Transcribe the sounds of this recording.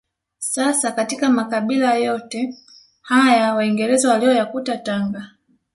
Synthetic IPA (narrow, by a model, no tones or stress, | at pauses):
sasakatikamakaɓilajɔtɛ | hajawaiŋɡɛɾɛzawaliɔjakutataŋɡa